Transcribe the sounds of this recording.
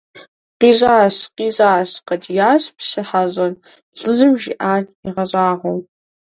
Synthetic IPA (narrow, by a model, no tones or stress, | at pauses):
qiːʑaːɕqiːʑʼaːɕqɐdijaːɕpɕɪħaʑʼɐr | ɬʼɨzɨmʒḭʔaːriʁɐɕʼaːʁʷɔw